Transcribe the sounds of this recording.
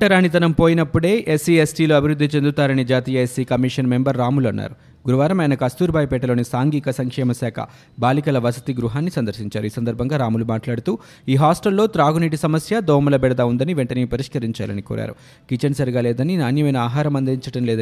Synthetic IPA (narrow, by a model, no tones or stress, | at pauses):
ʈɐɾaːnːit̪ɐnɐmpo̞ːjinɐpːuɽe̞ːʔesiesʈiːloːɐbʱiɾud̪ʱːit͡ʃe̞nd̪ut̪aːɾɐnid͡ʒaːt̪iːjɐesiːkɐmiʂɐnme̞mbɐɾːaːmulɐnːa̰ːɾu | ɡuɾuʋaːɾɐmɐjnɐkɐst̪uːɾbʱaːjpɛːʈɐlo̞ːnisaːŋɡiːkɐsɐŋkʂɛːmɐsaːkʰɐ̰ | baːlikɐlɐʋɐsɐ̥t̪iɡɾuɦaːnːisɐnd̪ɐɾsiɲt͡ʃaːɾuiːsɐnd̪ɐɾbʱɐŋɡaːɾaːmulumaːʈlaːɽut̪uː | iːɦaːsʈɐlːo̞ːt̪ɾaːɡuniːʈ̬isɐmɐsjɐd̪ɔːmɐlɐbɛɽɐd̪aund̪ɐniʋeɳʈɐniːipɐɾiʂkɐɾiɲt͡ʃa̰ːlɐ̰nikɔ̰ːɾʔa̰ːɾu | kit͡ʃɐnsɐɾɡaːlɛːd̪ɐninaːnjɐmɐjnɐaːɦaːɾɐmɐnd̪iɲt͡ʃɐʈɐmlɛːd̪ɐ